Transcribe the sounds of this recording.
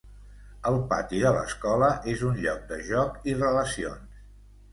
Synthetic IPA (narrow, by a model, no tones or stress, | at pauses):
əlˠpa̰t̪iələ̰skɔləʔezunʎɔk̚d̪əʒɔkirələsions